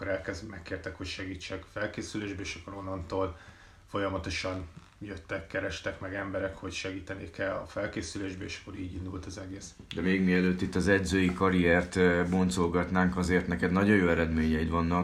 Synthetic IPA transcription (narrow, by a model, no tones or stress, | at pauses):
kːoɾɛlkɛzmɛkːeːrt̪ɛkhocʃɛɡiːt͡ʃːɛkfɛlkeːsyleːʒbɛeːʃɒkːoɾo̞nːɒnt̪oːl | fo̞jɒmɒt̪o̞ʃɒn | jøt̪ːɛkːɛɾɛʃt̪ɛkmɛɡɛmbɛɾɛkho̞cʃɛɡiːt̪ɛnikɛlːɒ̰fɛlkeːsyleːʒbɛeːʃɒ̥kːo̞ɾiːɟind̪ult̪ɒzɛɡeːsd̪ɛmeːɡmiɛløːt̪ːit̪ːɒzɛɟzøːjikɒɾiɛrt̪bont̪solɡɒt̪naːŋkɒzeːrt̪nɛkɛd̪nɒɟojoːɛɾɛd̪meːɲɛit̪ʋɒnːɒk